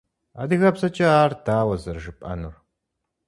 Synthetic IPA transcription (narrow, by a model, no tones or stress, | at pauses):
a̰ːdɨɣɐbsɐt͡ʃʼɐaːrdaːwɐzɐrʒɨpʼɐ̰nur